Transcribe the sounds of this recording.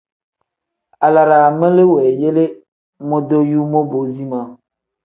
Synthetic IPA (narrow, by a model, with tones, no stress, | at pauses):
a˨la˨ɾa˨mẽ˦le˦wo˨e˨je˦le˦ | mõ˦d̪o˦ju˦mõ˦bo˨zi˦mã˨